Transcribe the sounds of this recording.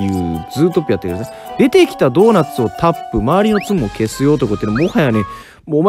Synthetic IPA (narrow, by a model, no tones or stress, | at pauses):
jɯ̟ːd͡zɨːt̪o̞pːɯjat̪ːeɯɾ | d̪e̞t̪e̞kʲi̥t̪ad̪o̞ːnat͡sɨo̞t̪ʰapːɯ̟maːɾʲino̞t͡sɨmɯokʰe̞sɨjo̞ːt̪̬okɯt̪enmmohajaane | moːma